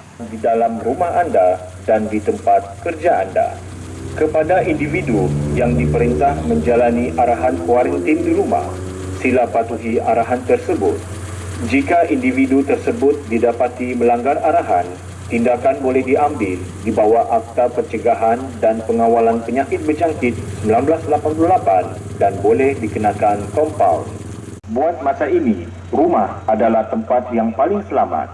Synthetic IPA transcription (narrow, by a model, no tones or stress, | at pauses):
didalamrumahanda | dandit̪əmpat̪̚kərd͡ʒaa̰nda̰ | kəpadaʔindividujaŋdipəɾint̪ahməɲd͡ʒalaniʔaɾaɦankuaɾənt̪ɪndiɾuma̰h | silahpat̪uɦiʔaɾaɦant̪ərsəbʊ̰t̪̚ | d͡ʒikaʔindividut̪ərsəbʊt̪̚didapat̪iməlaŋɡaraɾaɦan | t̪indakanbolɛhdiʔambɪl | dibawaʔak̚t̪apərt͡ʃəɡaɦandanpəŋawalanpəɲakɪt̪̚bəd͡ʒaŋkɪt̪̚səmbilanblaslapanpululapan | danbolɛhdikənakankɔmpa̰wl | buat̪̚masaini | rumahʔadalaht̪əmpat̪̚jaŋpalɪŋsəlama̰t̪̚